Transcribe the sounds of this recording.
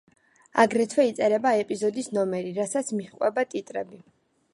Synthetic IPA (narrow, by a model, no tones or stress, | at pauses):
a̰ɡɾɛt̪ʰwɛit̪sʼɛɾɛbaɛpʼizɔd̪isnɔmɛɾiɾasat̪sʰmiχqʼwɛbat̪ʼit̪ʼɾɛbi